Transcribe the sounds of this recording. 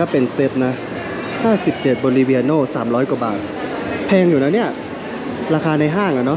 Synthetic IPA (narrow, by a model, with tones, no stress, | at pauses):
a˧˩pe˨˩nse˦˥t̪̚na˦˥ | haː˥˩si˨˩p̚t͡ɕe˨˩t̪̚boː˧li˧wi˧a˧noː˥˩saː˩˦mɾɔː˦˥jku˨˩ɐbaː˨˩t̪̚ | pʰɛː˧ŋjuː˨˩na˦˥˩ni˦˥˩ɐ | ɾaː˧kʰaː˧na˧jɦaː˥˩ŋʔa˨˩nɔ˦˥